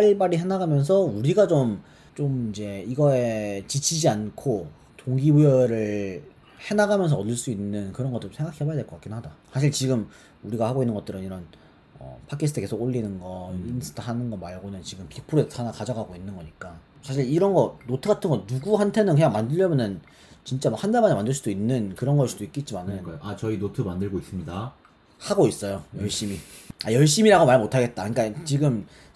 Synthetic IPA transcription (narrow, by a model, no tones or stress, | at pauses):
aɭbaɾiɦe̞naɡamjʌns̬ʰʌuɾiɡat͡ɕom | t͡ɕomind͡ʑe̞iɡʌet͡ɕit͡ɕʰid͡ʑiankʰo | toŋɡibujʌɾɯɭ | he̞naɡamjʌns̬ʰʌʌdɯɭs͈uinːɯnkɯɾʌŋɡʌt͈t͡ɕomsʰeŋɡakʰiɦebajadekʌkak͈innɦadasʰaɕʰiɭt͡ɕiɡɯm | uɾiɡahaɡoinːɯnŋɡʌt͈ɯɾɯniɾʌn | ʌ̰pʰakʰisʰɯtʰeke̞sʰoɡoɭːinɯnɡʌinsʰɯ̥tʰɦanɯnɡʌmaɭɡonɯnt͡ɕiɡɯmpʰik̚pʰuɾeanakad͡ʑaɡaɡoinːɯnɡʌɲik͈a | sʰaɕ̬ʰiɭiɾʌnɡʌnotʰɯɡatʰɯnŋɡʌnuɡuɦantʰe̞nɯnkɯɲjaŋmandɯʎjʌmjʌnɯn | t͡ɕint͡ɕ͈amʌkhʰandamaɲamandɯɭs͈udoinːɯnkɯɾʌnɡʌsʰud̥oik͈̚et̚t͡ɕ͈imanɯajoʔat͡ɕʌinotʰɯmandɯɭɡois͈ɯmɲida | haɡois͈ʌjojʌɭɕ͈imiajʌɭɕ̬͈imiɾaɡomaɭmotʰaɡe̞t̚t͈akɯɲik͈at͡ɕiɡɯm